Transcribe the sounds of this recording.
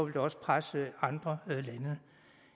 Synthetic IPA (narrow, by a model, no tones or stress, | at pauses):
ɒʋe̝ld̥ɒ̽sə̥pʰʁasəɑ̈nd̥ʁɐlænə